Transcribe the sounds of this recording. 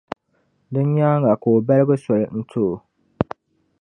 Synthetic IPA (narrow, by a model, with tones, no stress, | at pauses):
dɨ˦ɲ˦ɲaː˦ŋ˦a˨ko˨o˨ba˦lɨ˦bɨ˦sɔ˨lɨ˨n̩˦tʰo˦˨